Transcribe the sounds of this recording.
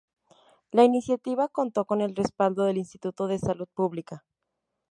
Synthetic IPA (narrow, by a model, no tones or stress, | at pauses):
lainisjat̪iβako̞nt̪o̞ko̞ne̞lre̞spald̪o̞ðe̞linst̪it̪ut̪o̞ð̞e̞saluð̥̚puβlika